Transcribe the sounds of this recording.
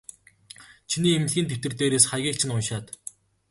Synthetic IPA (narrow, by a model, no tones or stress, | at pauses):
t͡ɕʰiniːem̆ɮɣʲiːnt̪ʰew̥ʲt̪ɘ̆rt̪eːɾeːsχajɣʲiːk̚t͡ɕʰɪ̆nʊnʃaːt̪